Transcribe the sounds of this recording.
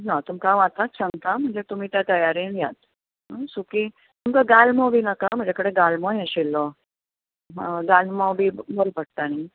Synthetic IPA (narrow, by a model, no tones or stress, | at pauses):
ɦat̪umkãʋat̪at̪sə̃ŋɡt̪am̤əɳd͡zet̪um̤iːt̪jat̪əjaɾenjat̪ | ɦasuki | t̪umkaɡalmɔʋiːnəkam̤əɳd͡zakəɽeɡalmɔjəɕilːɔ | ɦaɡalmabiːməɾpəʈ̚t̪ani